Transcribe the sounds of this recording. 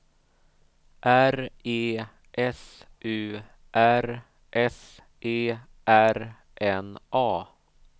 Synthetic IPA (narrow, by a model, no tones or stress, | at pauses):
ʔæɾeː | ʔɛsʔʉː | ʔæɾ | ʔɛs | ʔeː | ʔæɾ | ʔɛnʔɑː